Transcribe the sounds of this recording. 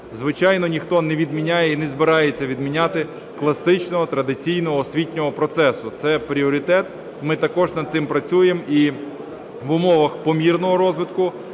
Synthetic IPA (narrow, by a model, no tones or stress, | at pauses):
zʋɪt͡ʃɑjnɔnʲixt̪ɔnɛʋʲid̪mʲinʲajɛinɛzbɪɾɑjet͡sʲːɐʋʲid̪mʲinʲat̪ɪ | klˠɐsɪt͡ʃnɔɦɔt̪ɾɐd̪ɪt͡sʲijn̪ɔɦɔsʲʋʲitʲnʲɔɦɔpɾɔt̪sɛsʊt̪sɛpɾʲiɔɾʲit̪ɛt̪ | mɪt̪ɐkɔʒnɐd̪t̪sɪmpɾɐt͡sʲujemi | ʋʊmɔʋɐxpɔmʲirnɔɦɔɾɔzʋɪt̪kʊ